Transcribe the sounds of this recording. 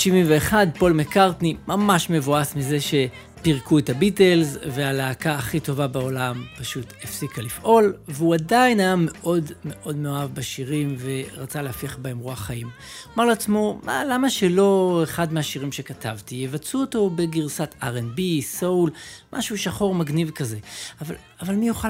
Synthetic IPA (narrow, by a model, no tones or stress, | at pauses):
ʃivimveːχadpo̞lmekaʁtnimamaʃme̞voasmize̞ʃe̞ | piʁkuetabite̞lzvealeakaːχito̞vabao̞lampaʃutefsikalifʔo̞lveuadajinajame̞ʔo̞dme̞ʔo̞dmeoavbaʃiʁimve̞ʁat͡salehafiaχbae̞mʁuaχajim | omaʁloat͡smo̞ma̰lamaʃe̞lo̞eχadmeaʃiʁimʃe̞katʰavtijevat͡suoto̞be̞ɡiʁsataʁenbisowlmʔa̰ʃuʃaχo̞ʁmaɡnivkaze̞ava | avalmijuχa